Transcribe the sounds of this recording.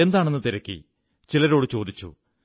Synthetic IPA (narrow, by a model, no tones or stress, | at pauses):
e̞nd̪aːɳe̞nːɨt̪iɾɐkʲːḭ | t͡ɕilɐɾo̞ːɽɨt͡ɕo̞ːd̪it͡ɕːṵ